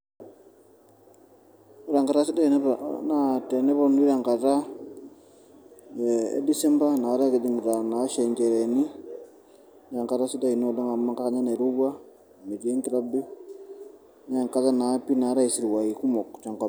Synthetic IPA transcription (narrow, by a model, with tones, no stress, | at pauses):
u˦ɾa˨ŋka˨ɾa˦si˦da˦i˨n˦pnate˨nɛ˦bɔ˦n˦i˦ɾa˨ŋka˨ta˦ | ḛ˦di˦sɛ˦mba˦na˨wa˦ɾa˦ke˨di˦ŋ˨ɾa˨na˨˦ʃɛ˨ɲkɛ˨ɾe˨ni˦ | ɾa˨ŋka˨ta˦si˦da˦i˨no˦dɔ˦ŋa˨ma˦ŋka˦ka˨ɲa˦ne˨ɾu˦ɡa˦ | me˨d͡ʒe˦ŋti˨ɾa˦bi˦ | na˦˨ŋka˦za˦na˨˦pi˦na˨˦ɾa˦i˨si˦ɾwa˨i˨ku˦mɔ˨kt͡ʃɔ˨ŋka˨